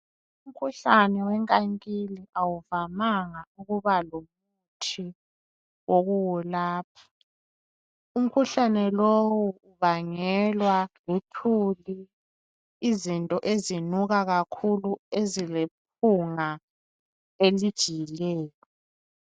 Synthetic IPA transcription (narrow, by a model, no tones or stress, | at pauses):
um̩kʰuɬanɛwɛŋkʼaŋkʼiliʔawuvamaŋauɣuβaloβ | u | tʰi | woɣuwulaːp̚ʰḁ | um̩kʰuɬanɛlowuuβaŋɛlwalutʰuli | izintʼɔʔezinuɣaɣakʰuluezilep̚ʰuŋa | elid̥ʒ̥ʱijilɛːjɔ